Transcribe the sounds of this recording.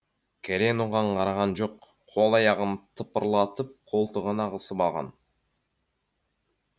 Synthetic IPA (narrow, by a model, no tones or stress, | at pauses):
kʰeɾenuʁɑɴqʰɑɾɑʁɑnd͡ʒoqʰː | o̞lˠɑjɑʁɯnt̪ʰɯpɯɾlˠɑt̪ɯp̚qʰolˠt̪əʁənɑʁɯsɯbɑlˠʁɑ̰n